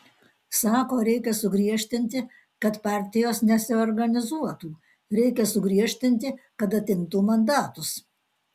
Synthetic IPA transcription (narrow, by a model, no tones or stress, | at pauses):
sɑːkoːɾʲɛɪkʲɛsʊɡɾʲiɛʃʲt̪ʲɪnʲt̪ʲɪ | kɐt̪pɑːˑɾʲt̪ʲɪjoːsnʲɛsʲɪɔɾɡɐnʲɪzuɔt̪uː | ɾʲɛɪkʲɛsʊɡɾʲiɛʃʲt̪ʲɪnʲt̪ʲɪkɐt̪ɐt̪ʲɪnt̪uːmɐnd̪ɑːt̪ʊs